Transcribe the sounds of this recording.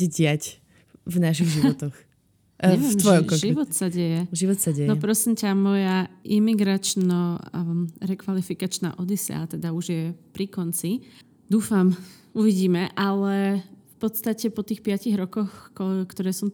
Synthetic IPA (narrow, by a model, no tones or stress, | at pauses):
ɛɟɪac | vnaʃiɣʒiʋɔt̪ɔx | ɛʋɛmt̪ʋɔjɔmkɔʒiʋɔt̪saɟɛjɛʒiʋɔt̪saɟɛjnɔɛpɾɔsimcamɔjaʔimiɡɾat͡ʃnɔ | ɾɛkʋalifikat͡ʃna̰ːʔɔd̪isɛ̰a̰t̪ɛd̪auʒjɛpɾikɔnt͡si | d̪uːfam | uʋiɟiːmɛʔalɛfpɔt̪st̪acɛpɔt̪iːxpɪaciɣɾɔkɔxkt̪ɔɾɛːsɔm